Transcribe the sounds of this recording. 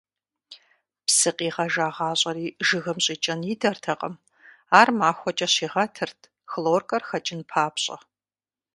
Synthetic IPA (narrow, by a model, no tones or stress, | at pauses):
psɨqʼiːʁɐʒaːʁɑːɕʼɐriːʒɨɣɐmɕʼiːt͡ʃʼɐnjidɐrtʰɐqʼə̰m | aːrmaːxʷɔt͡ʃʼɐɕiːʁɐtʰɨrtʰ | xloːrkʼɐrxɐt͡ʃʼɪnpʰaːpɕʼɐ̰